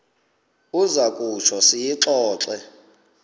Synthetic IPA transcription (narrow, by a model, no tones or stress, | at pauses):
uzakʼut͡ʃʰɔsijiǁɔːǁɛ